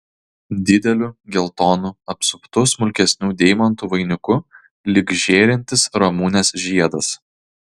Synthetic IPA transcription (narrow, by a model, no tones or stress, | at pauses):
d̪ʲɪd̪ʲɛlʲuːɡʲɪlˠt̪oːnuɐpsʊpt̪ʊsmʊlʲkʲɛsʲnʲuːd̪ʲɛːɪmɐnt̪uːʋɐɪnʲʊkʊ | lʲɪɡʒʲeːɾʲɪnʲt̪ʲɪsɾɔmuːnʲeːsʒʲiɛd̪ɐs